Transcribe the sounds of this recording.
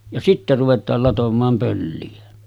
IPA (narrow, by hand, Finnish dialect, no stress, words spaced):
jɑ sitːe ruʋetˑɑːl lɑtomˑɑːm pølːiæ